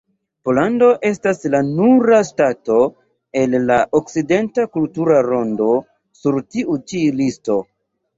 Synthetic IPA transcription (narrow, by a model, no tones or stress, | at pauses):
po̞lando̞ʔe̞staslanuɾastato̞ | e̞lːaʔok̚side̞ntakultuɾaɾo̞ndo̞ | suɾtiʔut͡ʃilisto̞